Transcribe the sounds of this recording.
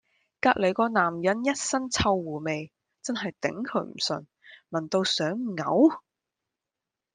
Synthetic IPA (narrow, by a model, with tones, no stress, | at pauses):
kaː˧k̚le˨˧jkɔː˧naː˨˩mjɐ˨˥njɐ˥t̚sɐ˥nt͡sʰɐ˧wːuː˨˩me˨j | t͡sɐ˥nɦɐ˨jt̪ɪ̰˨˥ŋkʰɵ˨˥ɥm̩˨˩sɵ̰˨˩n | mɐ˨˩nt̪o˧wsœː˨˥ŋŋɐ˨˥w